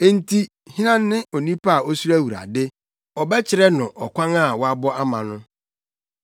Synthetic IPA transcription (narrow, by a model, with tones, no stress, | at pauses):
e˦n̩˦tʰi˦ | hĩ˦nã˦nːɪ̃˦ʔo˨nĩ˦pʰa˦a˨o˦su˦ɾæ˦wu˨ɾa̰˨dɪ˦ | ɔ˨bɛ˦t͡ɕʰɪ˨ɾɛ˦nʊ̃˨ʔɔ˨kʷʰã˦ŋa˦˨wɔ˦a˦bɔ˦a˦mã˨nʊ̃˦